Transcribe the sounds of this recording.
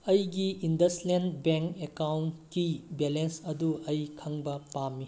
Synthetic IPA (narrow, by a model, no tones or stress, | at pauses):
ɐjɡiʔindɐslenbeŋkekawnkibelensɐduɐjkʰɐŋbɐpamːi